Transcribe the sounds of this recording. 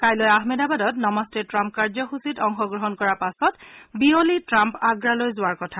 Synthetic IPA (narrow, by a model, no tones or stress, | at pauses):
kajlɔjaɦmedabadɔtnɔmɔstɛtɹampkaɹzɔxusitɔŋxɔɡɹɔɦɔnkɔɹapasɔtbiolitɹampaɡɹalojzʊaɹkɔtʰa